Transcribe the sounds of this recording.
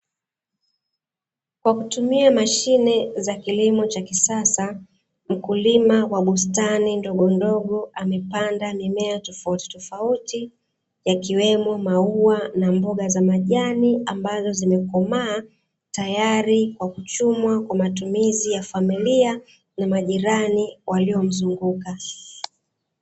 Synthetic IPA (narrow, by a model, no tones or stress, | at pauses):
kwakutumiamaʃinɛzakilimɔt͡ʃakisasa | m̩kulimawaɓustanindɔɠɔndɔɠɔʔamɛpandamimɛatɔfauti̥tɔfauti | jakiwɛmɔmauanambɔɠazamaʄaniambazɔzimɛkɔmaː | tajaɾikwakut͡ʃumwakwamatumizijafamilia | namaʄiɾaniwʔaliɔm̩zuŋɡuka